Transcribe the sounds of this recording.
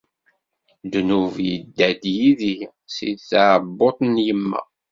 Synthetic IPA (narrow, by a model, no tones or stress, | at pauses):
d̪nuvjəd̪ːæd̪jiði | sḭθaʕbːot̪ˤnjəmːæ̰